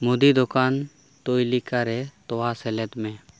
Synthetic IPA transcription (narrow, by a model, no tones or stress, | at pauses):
mod̪id̪ɔkan | t̪ojlikaɾɛt̪ɔwasɛlɛt̪mɛ̃